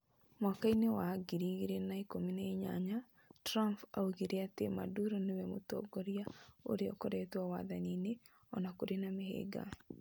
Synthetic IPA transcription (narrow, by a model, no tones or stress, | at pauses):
makainewaɡiɾiɣiɾenaikomineiɲa̰ɲa | tɾampa̰uɣiɾeatema̰duɾɔnewɛmotɔ̰ɡɔɾiao̰ɾeɔkɔɾɛtwawaðanine | ɔnakoɾenamehḛɡa̰